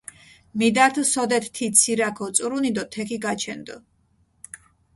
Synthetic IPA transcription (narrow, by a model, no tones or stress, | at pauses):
mid̪at̪ʰsɔd̪ɛt̪ʰt̪ʰit̪sʰiɾakʰɔt̪sʼɾunid̪ɔt̪ʰɛkʰiɡat͡ʃʰɛnd̪ɔ